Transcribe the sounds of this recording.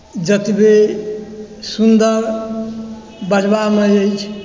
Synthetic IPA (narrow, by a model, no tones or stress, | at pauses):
d͡ʒət̪be | sund̪əɾ | bəd͡ʒbameəjt͡ʃʰ